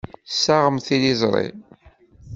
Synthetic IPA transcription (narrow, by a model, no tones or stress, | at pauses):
sːaʁəmθilizˤɾˤḭ